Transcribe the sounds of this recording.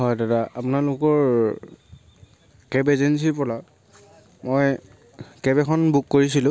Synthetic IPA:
ɦɔjdataʔapʊnalʊkɔɹ | kɛbezens̬ipɔla | moj | kɛbɛkʰɔnbukːoɹisilʊ̃

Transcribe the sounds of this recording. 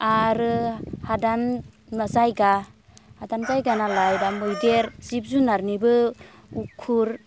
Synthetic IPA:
aɾɯhadan | mazajɡa | hadanzajɡanalajdamujdeɾz̥ip̚zunaɾnibɯ | ukʰːuɾ

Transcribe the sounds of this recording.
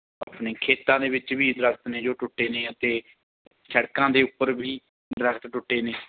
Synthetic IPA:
ə̰pneːkʰeːt̪ãːd̪eːʋɪt͡ʃʋiːd̪ɾəkʰt̪neːd͡ʒoːʈʊʈːeːneːət̪eː | t͡ʃʰəɽkãːd̪eːʊpːəɾbiː | d̪ɾəkʰt̪ʈʊʈːeːneː

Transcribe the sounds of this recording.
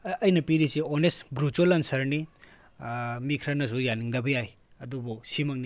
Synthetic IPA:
ɐjnɐpiɾisionestbɾutelɐnsɐɾni | mikʰɾɐnɐs̬ujaniŋdɐbɐjaj | ɐdubusimɐŋni

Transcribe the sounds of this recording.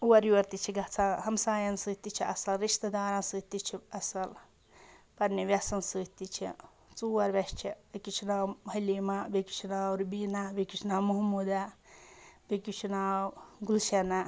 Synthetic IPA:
uwɐɾjuɐɾt̪it͡ʃʰiɡɐt͡sʰaɦɐmsaːjɐnsɨːt̪it͡ʃʰiʔɐsɐlɾiʃt̪ɐd̪aːɾãnsɨːt̪it͡ʃʰiɐsɐl | pɐɾniʋjɐsɐnsɨːt̪it͡ʃʰḭ | t͡suːwɐɾʋɐʃt͡ʃʰikit͡ʃʰunaːbʱɐjlimabeki̥t͡ʃʰunaːwɾbinabekit͡ʃʰnaːmuɦmud̪a | bekit͡ʃʰunaːwɡulʃɐna

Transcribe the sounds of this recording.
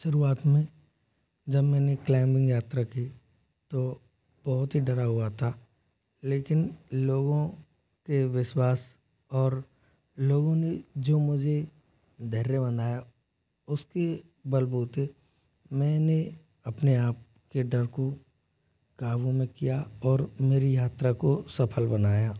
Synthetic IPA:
ʃʊɾuaːt̪mẽ | d͡ʒɐbmɛ̃ːneklɛːmbɪ̃ŋɡjaːt̪ɾaki | t̪o | b̥ɔɦʊt̪ɦiɖɐɾaɦʊat̪ʰa | leːkɪnloːɡõ | keʋɪʃwaːs | ɔːɾ | loːɡõned͡ʒoːmʊd͡ʒʱe | d̪ʱɛɦɾebɐnaːja | ʊske | bɐlbuːt̪e | mɛ̃ːne | ɐpneaːp̚ | keɖɐɾko | kaːʋõmẽkijaɔːɾmeːɾijaːt̪ɾakosɐpʰəlbɐnaːjaː

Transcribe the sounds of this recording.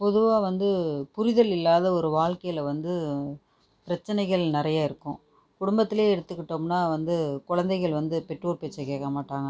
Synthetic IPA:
pɔðɯʋaːʋɐnd̪ɯpʊɾɪðɐlɪlːaːðɐɔɾɯʋaːɻkɐjɪlɐʋɐnd̪ɯ | pɪɾɐt͡ʃːɐnɐɪɣɐɭnɪɾɐjaːɪɾɯkːʊ̃ | kʊɽʊmbɐt̪ːɪleːɛɽɯt̪ːɯkːɪʈːoːmnaːʋɐnd̪ɯkʊɻɐnd̪ɐɪɣɐɭʋɐnd̪ɯpɛʈruːɾpeːt͡ʃːɐkeːkːɐmaːʈːaːŋɡɐ

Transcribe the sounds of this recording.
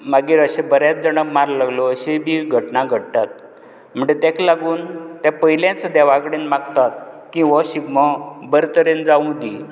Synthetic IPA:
maɡiːɾəɕebəɾjat͡s̚d͡zəɳəbmaɾlaɡlɔəɕebiːɡʱəʈnaɡʱəɽt̪at̪̚ | m̤əɳd͡ʑet̪ɛ̃klaɡuːnt̪ãpəɦilãt͡sd̪ɛʋakəɽenmaɡt̪at̪̚kĩʋəɕiɡməbəɾt̪əɾend͡zaũd̪i

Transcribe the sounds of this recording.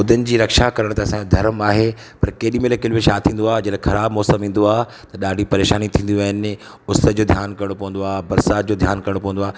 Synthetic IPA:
ʊd̪ʱənɪ̆d͡ʑiːɾɐkʃakɐɾəɽ̃t̪ɐɐsãd̪ʱɐɾmaːɦe | pɐɾkeːɗimelkɪlʋɪʃaːt̪ʰĩːn̆d̪oaːɦd͡ʑɐlaxʰɐɾaːbmɔːsəmĩːn̆d̪oaːɦ | t̪ɐɗaːɖʱipɐɾeːʃaːnit̪ʰĩːn̆d̪iaːɦɪn | ʊst̪əd͡ʑoːd̪ʱjaːnkɐɾɽ̃opɐʋə̃n̆d̪oaːɦbɐɾsaːt̪̚d͡ʑoːd̪ʱjaːnkɐɾɪɽ̃opɐʋə̃n̆d̪aː

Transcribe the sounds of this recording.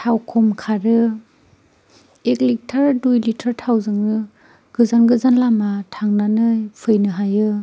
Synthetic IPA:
tʰawkʰɔmkʰaɾɯ | eklik̚tʰaɾdujlitʰaɾtʰawzɯŋɯ | ɡ̥ɯzanɡɯzanlamatʰaŋnanɯjpʰɯjnɯɦajɯ

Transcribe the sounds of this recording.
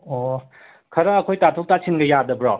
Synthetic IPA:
o | kʰɐɾɐːkʰojtatʰok̚tasʰinɡɐjadɐbɾɔ

